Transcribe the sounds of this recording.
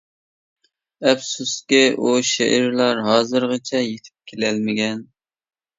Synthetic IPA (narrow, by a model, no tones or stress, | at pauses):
ɛpsuskʲɪʔuʃeʔɪɾlˠɑɾɦɑːzɨɾʁɑt͡ʃʰɛjet̪ʰɪ̥p̚kʲʰelɛlmɪɡʲɛn